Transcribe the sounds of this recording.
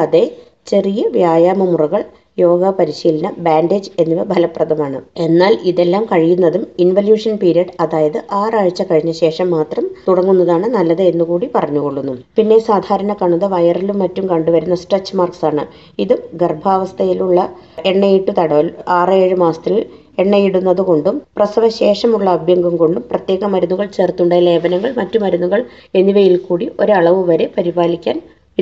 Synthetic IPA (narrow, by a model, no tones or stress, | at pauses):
ɐðe̞ | t͡ɕe̞rijɐʋjaːjaːmɐmurɐɣɐɭ | jo̞ːɡɐpɐɾiɕiːlɐnɐbaːndeːd͡ʑe̞nːiʋɐbʱɐlɐpːrɐðɐmaːɳɨe̞nːaːliðe̞lːaːmkɐɻijunːɐðuminʋɐljuːʂɐnpiːɾijɐɖɐðaːjɐðɨʔaːraːɻt͡ɕːɐkɐɻiɲːɐɕe̞ːʂɐmːaːt̪rɐmt̪uɽɐŋːunːɐðaːɳɨnɐlːɐðeenːukuːɽipɐrɐɲːuɣo̞ɭːunːumpinːe̞saːd̪ʱaːɾɐnɐkɐɳuðɐʋɐjɐrilumːɐtːumkɐɳɖuʋɐɾunːɐsʈet͡ɕːmaːrksaːɳɨ | iðuɡerbʱaːʋɐst̪ʰɐjiluɭːɐ | e̞ɳːejiʈːut̪ɐɽɐʋɐlaːreːɻumaːst̪il | e̞ɳːɐjiɽunːɐðɨko̞ɳɖumprɐsɐʋɐɕe̞ːʂɐmuɭːɐːbjɐŋɡɐmko̞ɳɖumprɐt̪je̞ːɣɐmɐɾunːuɣɐɭt͡ɕe̞ːrt̪ːuɳɖejle̞ːbɐnɐŋːɐɭmɐtːumɐɾunːuɣɐɭe̞nːiʋɐjilkuːɽiʔo̞ɾɐɭɐʋuʋɐɾe̞pɐɾibaːlikʲːa̰ːn | i